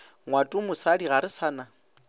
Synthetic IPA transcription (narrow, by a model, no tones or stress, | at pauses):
ŋwatʼumʊsadiɣaɾɪsana